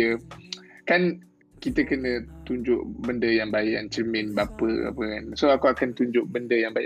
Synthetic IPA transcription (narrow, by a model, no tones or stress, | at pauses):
ə | kan | kit̪əkənə̃t̪uɲd͡ʒʊʔbəndəjaŋbajaŋt͡ʃəmɪnbapəa̰pəkansoakuakant̪uɲd͡ʒʊʔ̚bəndəjaŋbaj